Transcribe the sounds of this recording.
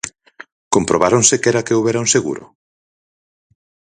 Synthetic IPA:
kompɾoβaɾonsekɛɾakeoβɛɾaũseɣṵɾʊ̰

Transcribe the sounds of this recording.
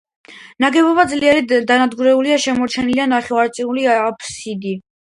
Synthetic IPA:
naɡɛbɔbad̪zliɛɾid̪anad̪ɡuɾɛuliaʃɛmɔɾt͡ʃʰɛnilianaχɛaɾt̪sʼiuliapʰsid̪i

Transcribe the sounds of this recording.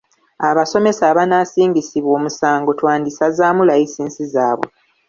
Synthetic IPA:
aβaso̞me̞saːβanasiːŋɡisiβwo̞ːmusaːŋɡo̞twaːndisazaːmulajisiːnsizaːβwo̞̰

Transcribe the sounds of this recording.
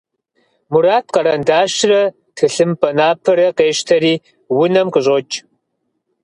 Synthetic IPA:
muɾaːt̚ʰqɐɾɐndaːɕrɐ | tʰɨɬɨmpʼʰɐnaːpʰɐɾɐqeːʃtʰɐɾiː | wʊnɐmqəɕʼot͡ʃʼ

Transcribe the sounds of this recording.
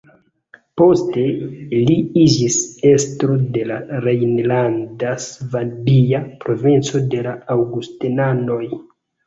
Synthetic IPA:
po̞ste̞liid͡ʒise̞stɾo̞de̞laɾejnlandasvadijapɾo̞vint͡so̞de̞laawɡustenano̞j

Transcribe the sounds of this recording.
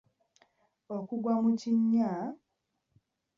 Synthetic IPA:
okuɡwamuciɲːa

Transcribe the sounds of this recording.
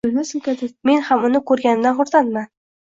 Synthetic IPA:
ɪlmasɪŋkʲad̪ɪme̞nhamʊnɪkʰɵɾɡʲanɪmd̪anχʊɾt̪anman

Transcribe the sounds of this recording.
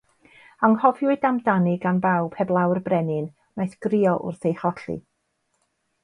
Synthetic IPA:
aŋhɔvjwɨdamdanɪɡanbawbhɛblˠawrbrɛnɪn | najθɡ̥rɪɔʔʊ̰rθejχɔɬḭ

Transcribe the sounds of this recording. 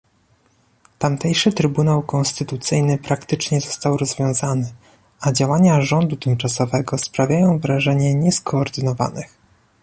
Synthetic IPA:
t̪amt̪ɛjʂɘt̪ɾɘbunawkɔnst̪ɘt̪ut̪sɘjnɘpɾakt̪ɘt͡ʂɲɛzɔ̥st̪awɾɔzvʲjɔ̃w̃zanɘ | ad͡ʑawaɲaʐɔnd̪ut̪ɘmt͡ʂasɔvɛɡɔspɾavʲjajɔ̃w̃vɾaʐɛɲɛɲɛskɔːɾd̪ɘnɔva̰nɘx

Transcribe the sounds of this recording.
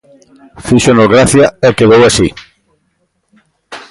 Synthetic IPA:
fiʃonoɣɾaθjaekeðowasi

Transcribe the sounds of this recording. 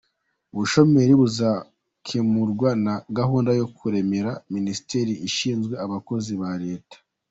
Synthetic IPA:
uβuʃo̞me̞ɾiβuza | kʰemuɾɡwanaɡaɦuːndajo̞kʰuɾe̞me̞ɾaminisi̥te̞ɾiʔiʃiːnzɡwe̞aβako̞ziβaɾe̞ːtḁ

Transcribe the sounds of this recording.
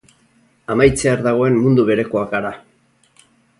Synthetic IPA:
amajt͡seaɾðaɣ̞o̞e̞mmund̪uβe̞ɾe̞ko̞akaɾa

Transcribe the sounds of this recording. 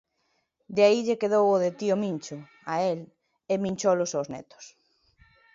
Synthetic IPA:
d̪eaiʎekeðowʊðet̪iʊmint͡ʃʊ | ael | emĩnʲt͡ʃowlʊsowznɛ̰t̪ʊ̥s

